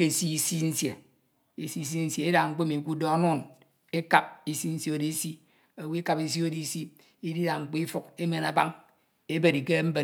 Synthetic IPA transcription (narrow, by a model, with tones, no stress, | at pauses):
ke˦˨si˦i˦si˦n̩˦sje˨ | e˨si˦˨˦s̬i˦n̩˦se˨e˦da˨ŋ͡m̩˦k͡pe˦mi˨ku˦dɔ˦nu˦˨n | e˦ka˨p̚i˦si˦n̩˦sje˦o˨di˨˦e˦si˦ | o˨wi˦e˦ka˨pi˨s̬i˦o˦di˨si˦ | i˦di˦da˨ŋ͡m̩˨k͡pe˦i˦fu˦ke˦me˨na˨ba˦ŋ | e˦be˨ɾi˨ke˦m̩˦be˨